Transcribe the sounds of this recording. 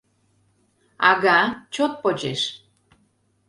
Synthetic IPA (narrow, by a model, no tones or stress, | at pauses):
ɑ̰ɣat͡ɕot̪̚pot͡ɕeʃ